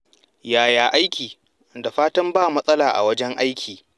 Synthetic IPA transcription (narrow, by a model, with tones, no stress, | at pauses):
jaː˨jaː˨ʔa˦jkʲiː˨ | da˨ɸaː˦tɐ˦mbaː˦˨mɐ˦sʼɐ˦laː˨ʔa̰˨wɐ˦d͡ʒɛ˦ŋʔa˦jkʲʰiː˨